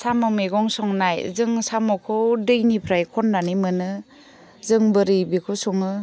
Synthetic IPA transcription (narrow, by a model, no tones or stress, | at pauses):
samɯmeɡɔŋsɔŋnajzɯŋsamɔkʰɔdɯjnipʰɾajkʰɔndanimɯnɯ | zɯŋbɯɾibikʰɯsɔŋɯ